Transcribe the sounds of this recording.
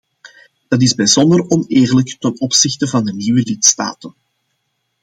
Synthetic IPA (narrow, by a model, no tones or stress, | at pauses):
d̥ɑt̬ɪzbɛjzɔndərɔneːrləktənɔpsɪxtəvɑndəniːwəlɪtsta̰ːtən